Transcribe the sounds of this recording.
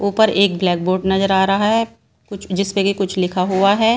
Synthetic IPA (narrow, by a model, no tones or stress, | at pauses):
uːpəɾeːk̚blɛːk̚boːɾɖnɐzəɾaːɾɐɦaɦɛ | kʊt͡ʃʰd͡ʒɪsmẽkikʊt͡ʃʰlɪkʰaɦuaɦɛː